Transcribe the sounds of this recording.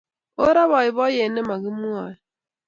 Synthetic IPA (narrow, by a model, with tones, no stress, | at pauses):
o˦ɾa˦βɔ˨ɪ˨βɔ˦je˨ne˦ma˨ɣi˦mu˦a˨